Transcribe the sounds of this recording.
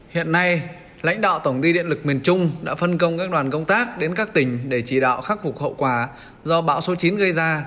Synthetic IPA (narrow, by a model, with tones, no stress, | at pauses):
hḭ˧˨ənːa˧j | la̰˧˥jŋ̟ɗa̰ː˧˨wt̪ə˧˩ŋ͡mt̪i˧ɗḭ˧˨nlɨ˨˩k̚mi˨˩ənt͡ɕʊ˧ŋ͡mɗa̰ː˧˥fə˧nkə˧wŋ͡mkaː˦˥k̚ɗwaː˨˩nkə˧wŋ͡mt̪aː˦˥k̚ɗe˨˦nkaː˦˥k̚t̪ï˧˩ŋ̟ɗe˧˩t͡ɕi˧˩ɗa̰ː˧˨wxa˦˥k̚fʊ˨˩hə̰˧˨wkwaː˧˩ | zɔ˧ɓa̰ː˧˥wso˨˦t͡ɕi˨˦nɣə˧jzaː˧